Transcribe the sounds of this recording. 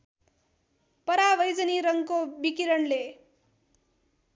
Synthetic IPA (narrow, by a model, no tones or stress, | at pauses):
pʌɾaʋʌjd͡zʌniɾʌŋkobikiɾʌnle